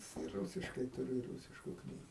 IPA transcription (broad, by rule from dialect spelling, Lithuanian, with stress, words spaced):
ɪ ˈruːsʲɪʃkɐɪ tʊˈrʲʊ ɪr ˈruːsʲɪʃkʊ ˈknʲiːɡʊ